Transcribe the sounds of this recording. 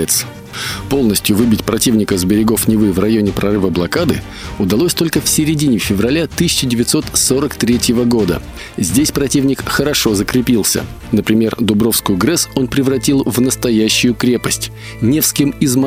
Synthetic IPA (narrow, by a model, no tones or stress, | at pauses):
ɪt̪s | po̞lˠnəsʲtʲjʊvɨbʲɪtʲpɾɐtʲivnʲɪkəzbʲɪɾʲɪɡo̞fnʲɪvɨvrɐjo̞nʲɪpɾɐɾɨvəblˠɐkad̪ɨ̰ | ʊd̪ɐlˠo̞sʲt̪o̞lʲkəfsʲɪɾʲɪdʲinʲɪfʲɪvrɐlʲat̪ɨsʲɪt͡ɕɪdʲɪvʲɪt̪so̞t̪so̞ɾəkt̪ɾʲetʲjɪvəɡo̞d̪ə̰ | zʲdʲesʲpɾɐtʲivnʲɪkxəɾɐʂo̞zəkɾʲɪpʲilˠsʲə̰ | nəpɾʲɪmʲe̞rd̪ʊbɾofskʊjʊɡɾɛso̞npɾʲɪvrɐtʲilˠvnəst̪ɐjæɕːʊjʊkɾʲe̞pəsʲtʲ | nʲe̞fskʲɪmɪzm